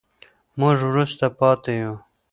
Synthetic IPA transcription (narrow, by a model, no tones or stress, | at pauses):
mʊʐwɾust̪apɑt̪eju